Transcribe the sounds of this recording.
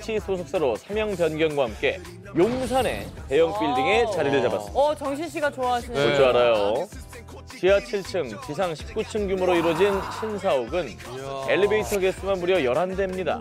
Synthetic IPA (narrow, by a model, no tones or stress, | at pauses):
t͡ɕʰisʰosʰok̚s͈aɾosʰamjʌŋpjʌnɡjʌnɡwaɦamk͈e̞ | joŋsʰane̞̰te̞jʌŋp͈iɭdiŋe̞t͡ɕaɾiɾed͡ʑabat͈t͡ɕʌŋɕʰinɕ̬ʰiɡat͡ɕoaɦaɕʰit͡ɕoaɾajo | t͡ɕiat͡ɕʰiɭt͡ɕʰɯŋt͡ɕisʰaŋɕʰi̥p̚k͈ut͡ɕʰɯŋɡjumɯɾoiɾwʌd͡ʑinɕʰinsʰaoɡɯn | eɭːibeitʰʌɡes͈ɯmanuɾiʌjʌɾande̞mɲida̰